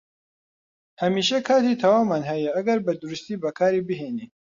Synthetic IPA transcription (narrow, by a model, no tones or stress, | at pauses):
hɐmiːʃɐkʰaːt̪it̪ʰɐwaːmaːnɦɐjɐʔɐɡɐɾbɐd̪ʊɾust̪iːbɐkʰaːɾiːbɨɦeːniː